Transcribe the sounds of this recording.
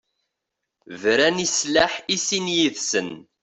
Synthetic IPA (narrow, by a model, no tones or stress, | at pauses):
vɾænislaħisinjiðsən